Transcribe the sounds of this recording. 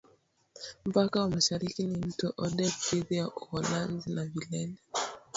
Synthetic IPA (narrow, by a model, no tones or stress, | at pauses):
m̩pakawɔmaʃaɾikinin̩tɔʔɔdɛteðiaʔɔhɔlanzinavilɛnɛ